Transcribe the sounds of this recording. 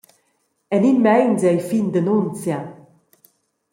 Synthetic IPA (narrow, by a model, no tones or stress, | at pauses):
ɛninmɛjnzɛjfind̪ənunt͡sja